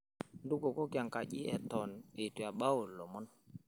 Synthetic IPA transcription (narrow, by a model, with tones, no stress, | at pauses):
ndu˦kɔ˨kɔ˦kja˨ŋka˨ɟḭ˦ɛ˨tɔ˨ne˨tu˨a˨ɓa˦wo˨lɔ̰˨mɔ˦n